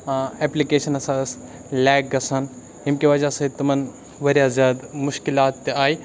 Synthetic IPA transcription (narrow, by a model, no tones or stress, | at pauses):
eːplikeːʃɐnɐsas | lɛːk̚ɡɐsɐn | ɪmkiʋɐd͡ʒaset̪ɐmɐn | ʋɐɾijazʲjaːd̪mʊʃkɪlaːt̪ːeaːiː